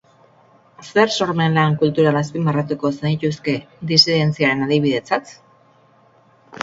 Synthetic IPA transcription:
se̞ɾso̞ɾme̞nlaŋkult̪uɾalaspimarat̪̬uko̞sanit̪uske̞ | d̪isiðe̞nt͡siaɾe̞naðiβ̞iðe̞t͡sat̪

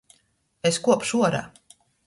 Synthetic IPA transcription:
eskuɔpʃuɔɾa̰

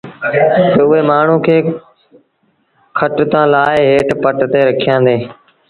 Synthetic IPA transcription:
t̪əʊɦeːmaːɳ̤ũːkʰeː | kʰəʈt̪ãːlaːɪɦeːʈpəʈt̪eːɾəkʰijãːnd̪eː

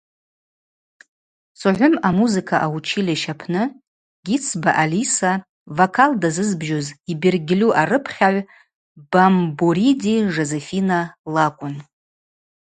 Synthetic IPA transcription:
sʊʕʷʊmamuzɨkʰaʔaut͡ʃʰilaʃapʰnɨ | ɡʲit͡sʰbaʔalisa | vakʰaldazɨzbʒozibirɡʲɪlʲuʔarɨpʰχʲaʕʷ | b̥ambuɾidiʐezefinalakʷʼʊn

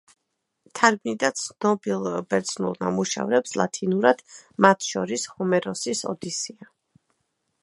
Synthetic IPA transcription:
t̪ʰaɾbnid̪at̪sʰnɔbilˠbɛɾd̪snulˠnamuʃɛ̰vɾɛpslˠa̰t̪ʰinuɾad̪̥mat̪ʰʃɔɾishɔmɛɾɔsisɔ̰d̪isia

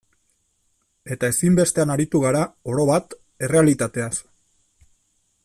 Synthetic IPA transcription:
e̞t̪ae̞simbe̞st̪e̞anaɾit̪uɣ̞aɾao̞ɾo̞βat̪ | e̞re̞alit̪at̪e̞as

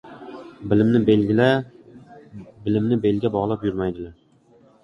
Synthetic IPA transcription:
bɪlɪmnɪbelʲla | bɪlɪmnɪbe̞lɡʲabɒʁlˠapjʊɾmajd̪ɪlaɾ

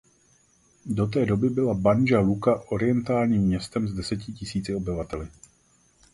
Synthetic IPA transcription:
do̞t̪̬ɛːdo̞bɪbɪlabanʒalukaʔo̞ɾɪjɛnt̪aːlɲiːmɲɛst̪ɛmzdɛsɛcɪcɪsiːt͡sɪo̞bɪvat̪ɛlɪ

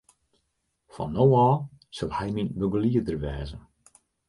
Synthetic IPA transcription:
fɔ̰nːowɑː | səlˠhɛjminbøɡəliədərʋɛːzən

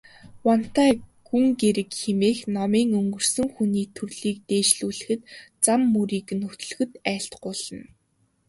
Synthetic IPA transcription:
wɔn̥t̪æːɡ̥uŋɡeɾɘ̆kxemeːxnɔmiːŋɵŋɡɵ̆r̥sɵ̆ŋxuniːt̪ʰɵrɮiːk̚t̪eːʃɮuːɮɘ̆xɘ̆t̪t͡samːɵɾiːknɵt̪ɵ̆ɮɵ̆xɘ̆t̪æːɬt̪ɢʊːɮə̆n

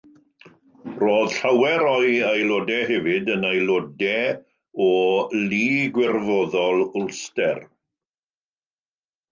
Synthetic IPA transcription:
roːð̥ɬawɛɾɔjajlodɛɦɛvɨdənajlˠɔdɛ | ɔliːɡwɪrvɔðɔlˠʊlˠstɛr

